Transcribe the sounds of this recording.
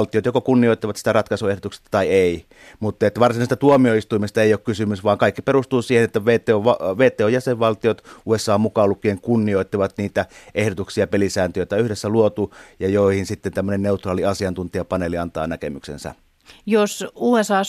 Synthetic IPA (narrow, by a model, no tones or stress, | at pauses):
lt̪ˑiot̪jokokunːioˑit̪ːiʋɑt̪si̥t̪ærɑt̪kɑsuehdot̪ukse̥st̪ɑ̥t̪ɑieˑi | mut̪ːˑet̪ːæʋɑrsinɑˑist̪æt̪uomioist̪uimest̪ɑeˑijoːkkysymysʋɑːŋkɑˑikːiperust̪uːsiːhenet̪ːæʋeːt̪ˑeoʋɑʋeːt̪ːˑeːojæseʋʋɑlt̪iot̪ʔuːesːˑɑːmukɑolukːˑieŋkunːioit̪ːiʋɑt̪niːt̪æʔehdot̪uksiɑpelisæˑːnt̪øjoˑt̪æyhdesːæluot̪ujɑjoˑihinsit̪ːent̪æmːønenneut̪rɑːliɑsiɑnt̪unt̪iɑpɑneliɑnt̪ɑ̰ːnækemyksḛnsɑ̰ | josuːesɑː